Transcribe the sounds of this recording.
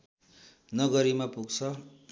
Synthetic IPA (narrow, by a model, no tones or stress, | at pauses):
nʌɡʌɾimapuɡt͡sʰʌ